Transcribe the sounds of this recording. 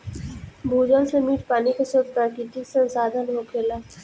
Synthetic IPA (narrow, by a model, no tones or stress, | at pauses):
bʱuːd͡ʒəlsemiːʈpaːnikasoɾt̪akiʈ̪isə̃nsaːd̪ʱənɦoːkʰeːlaː